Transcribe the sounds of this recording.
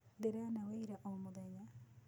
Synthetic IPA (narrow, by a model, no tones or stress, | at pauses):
deɾanaweiɾaʔɔmoðɛɲa